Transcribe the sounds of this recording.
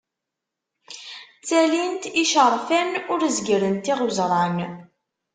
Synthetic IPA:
t͡sːælint̪iʃəɾˤfænʊɾzɡəɾənt̪iʁʊzɾˤɑn

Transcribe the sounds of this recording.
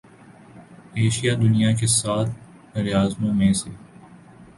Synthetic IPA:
eːʃijad̪ʊnijak̬esaːt̪ʰ | ɾɪjaːzmõmẽse

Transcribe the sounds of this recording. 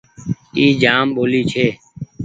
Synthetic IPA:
iːd͡ʒaːmɓoːliːt͡ʃʰeː

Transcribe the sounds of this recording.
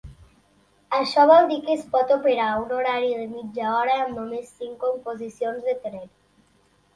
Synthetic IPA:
aʃɔβ̞ɔld̪ikespɔt̪opeɾaunoɾaɾiðemid͡ʒaɔɾaːnnomesːiŋkompozisjonzðet̪ɾeɾ

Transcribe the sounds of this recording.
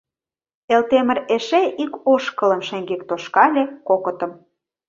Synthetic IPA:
elt̪emə̆reʃeʔikoʃkə̆lə̆mʃeŋɡek̚t̪oʃkɑlʲekokə̆t̪ə̆m

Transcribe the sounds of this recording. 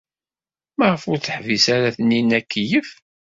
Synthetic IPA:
mæʁəfʊɾθəħvisaɾæθənːinːækːijəf

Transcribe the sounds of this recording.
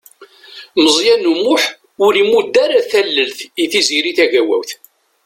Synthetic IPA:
məzˤjænumːʊħ | ʊlimud̪ːaɾæθælːəlθiθiziɾiθæʝæwæ̰wθ

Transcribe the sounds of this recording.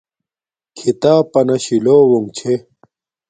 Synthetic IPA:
kʰit̪aːpɐnɐɕiloːwuŋt͡ɕʰe

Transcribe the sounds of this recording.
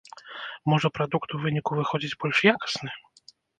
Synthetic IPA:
mɔʐɛpɾɔd̪ukt̪uvɘɲikuvɘxɔd͡ʑit͡ɕbɔlʲʂjakɔ̥snɘ

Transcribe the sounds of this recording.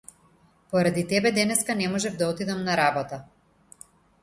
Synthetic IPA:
pɔɾad̪it̪ɛbɛd̪ɛnɛskanɛmɔʒɛvd̪aɔt̪id̪amnaɾabɔt̪a

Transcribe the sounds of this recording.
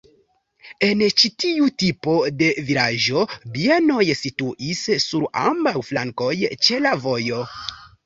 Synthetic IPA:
e̞nt͡ʃitiutipo̞de̞viɾaʒo̞bieno̞jsituʔisːuɾa̰mbawflaŋko̞jt͡ʃe̞lavo̞jo̞

